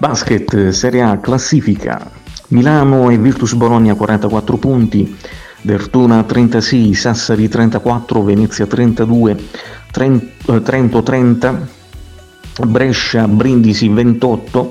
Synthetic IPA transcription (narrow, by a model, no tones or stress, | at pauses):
baskɛt̪sɛːɾjaklasːiːfikʰa̰ | milaːnoɛvirt̪usbolɔɲːjakwaɾʔant̪akwat̪ːɾopunt̪i | d̪ert̪uːnat̪ɾɛnt̪asɛjsasːaɾit̪ɾɛnt̪akwat̪ːɾovenɛt̪sːjat̪ɾɛnt̪ad̪uːe | t̪ɾɛnt̪ot̪ɾɛnt̪a | bɾɛʃːabɾind̪isivent̪ɔt̪ːo